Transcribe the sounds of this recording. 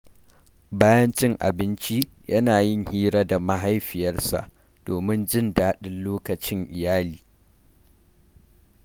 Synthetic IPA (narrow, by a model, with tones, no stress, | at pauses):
baː˦jɐ˦nt͡ʃɪ˦ŋʔa̰˨bɪ˦nt͡ʃi˦ | jɐ˦naː˨jɪ˦ŋhiː˦ɾaː˦da˨ma˦ɦa˦jɸɪ˨jɐ˦rsa̰˨ʔ | d̥oː˨mɪ˦nd͡ʒɪ˦ndaː˦ɗɪ˦nloː˦kɐ˨t͡ʃɪ˦ŋʔɪ˨jaː˦liː˨